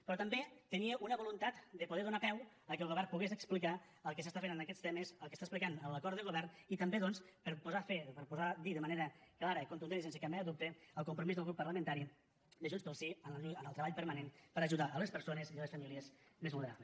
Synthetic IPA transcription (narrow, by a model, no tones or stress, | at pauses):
pɾɔt̪əmbet̪əniəʔunəβulunt̪at̪d̪əpuð̞ɛðunapɛw | əkəlˠɣuβɛrpuɣezəksplika | əlˠkəsəst̪afenənəkɛst̪eməzəlˠkəst̪aesplikanəmləkɔɾt̪ðəɣuβɛrnit̪əmbeðɔnspəɾpuzafepəɾpuzad̪iðəməneɾəklaɾəikunt̪unensensəkambaaðup̚t̪əəlˠkumpɾumizðəlɣɾupːərləmə̃nt̪aɾi | d̪əʒunspəlˠsiənuənəlˠt̪ɾəβaʎpəɾmanenpəɾəʒuðaʔələspəɾsonəziələsfəmiliəzmezβulnəɾa̰βləs